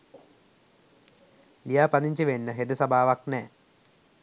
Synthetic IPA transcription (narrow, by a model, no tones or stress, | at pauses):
lijaːpɐd̪iɲt͡ɕiʋenːəɦed̪əsabʱaːʋaknɛː